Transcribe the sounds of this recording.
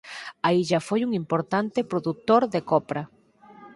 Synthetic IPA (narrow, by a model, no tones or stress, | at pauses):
aiʒafojuŋimpoɾt̪ant̪ɪpɾoðut̪oɾðekɔpɾɐ